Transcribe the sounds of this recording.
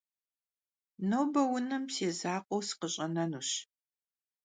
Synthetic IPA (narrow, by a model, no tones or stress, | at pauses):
noːbɐwʊnɨmseːzaːqʷʼowsɨ̥qəɕʼɐnɐnuːɕ